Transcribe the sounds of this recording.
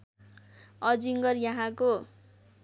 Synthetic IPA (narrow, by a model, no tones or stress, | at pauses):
ʌd͡ziŋɡʌrjaɦãko